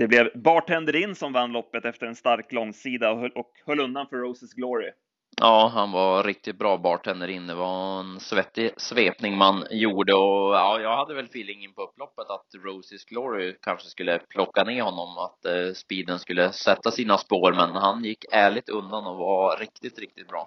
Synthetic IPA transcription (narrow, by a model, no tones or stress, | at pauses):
d̪ɛblɛvbɑːʈʰɛnd̪əɾɪnːsɔmvanːlɔpːət̪ɛft̪əɾɛnst̪aɾklɔŋsiːd̪aʔɔkhœlːɵnd̪anfœɾɔʊsɪsɡlɔɾɪ | ʔɑːɦanvaɾɪk̚t̪ɪt̪̚bɾɑːbɑːʈʰɛnd̪əɾɪnd̪ɛvaɛnsvɛt̪ːɪsveːpnɪŋmanjuːɖəɔjɑːjɑːɡhad̪ːəvɛlfiːlːɪŋːənpʰɔɵpːlɔpːət̪at̪ɾɔːsɪsɡlɔɾɪkʰanʂəskɵlːəpʰlɔkːaneːhɔnːɔmat̪spiːd̪ənskɵlːəsɛt̪ːasiːnaspoːɾmɛnhanjɪkːæːɭɪɡ̚t̪ɵnd̪anɔvaɾɪkt̪ɪt̪ɾɪk̚t̪ɪ̥t̪̚bɾɑ̰ː